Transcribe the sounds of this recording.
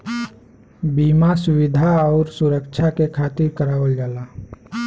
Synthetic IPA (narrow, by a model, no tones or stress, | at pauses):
biːmasʊwɪd̪ʱaɔːɾsuɾəkt͡ʃʰakekʰaːt̪ɪɾkəɾaːʋəld͡ʒaːla